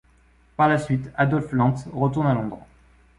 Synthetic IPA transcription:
paʁlasɥit̪ad̪ɔlflɑ̃t̪ʁət̪uʁnalɔ̃d̪ʁa

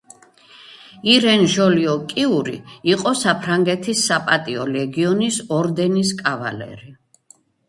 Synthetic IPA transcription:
iɾɛnʒɔliɔkʼiuɾiiqʼɔsapʰɾaŋɡɛt̪ʰisːapʼat̪ʼiɔlɛɡiɔnisɔɾd̪ɛniskʼava̰lɛ̰ɾi

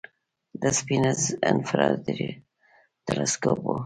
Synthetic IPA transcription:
d̪əspinəzɛ̃nfɾad̪ɾi | t̪ɛleskopo

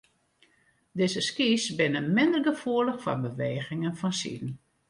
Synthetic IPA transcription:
dɪzəskisbɪnəmɪndərɡəfuələxfɔ̰bəʋeːɣɪŋənfɔnsḭdn̩

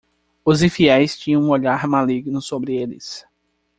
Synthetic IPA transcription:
ʊzĩfiɛjst͡ʃĩɲɐ̃ũoʎaɾmaliɡnʊsobɾɪelɪ̰s

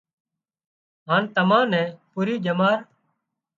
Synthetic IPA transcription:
ɦaːnt̪əmãːnɛ̃ːpuːɾiːd͡ʒəmaːɾ

